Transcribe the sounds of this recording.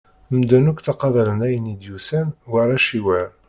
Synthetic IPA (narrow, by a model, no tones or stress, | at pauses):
md̪ænukθɑqɑðˤɑlənæjənid̪jusænwaɾˤæʃiwæɾ